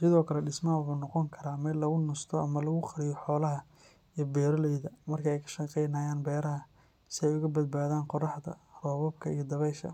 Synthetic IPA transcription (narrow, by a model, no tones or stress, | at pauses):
sɪðɔːkʰɐlɛɖɪsmɐɐwʊħuːnɔqɔŋkʰɐɾaːmɛlɐɣʊnʊst̪ʰɔɐmɐlɐɣʊqɑɾɪjɔħɔːlɐɦɐ | ijbɛːɾɔlɛjðɐmɐrkʰɐɛjkʰɐ̥ʃɐqɛjnaːjaːnbɛːɾɐɦɐ | sɪɛjʊɣɐbɐd̪̚baːðaːnqɔrɑħd̪ɐ̰rɔːβɔbkʰɐijɔd̪ɐβɛjʃɐ̰